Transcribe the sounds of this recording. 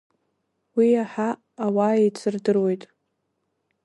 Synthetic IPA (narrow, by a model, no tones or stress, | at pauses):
wiaħaː | waet͡sʰɨrdɨrwe̞jtʼ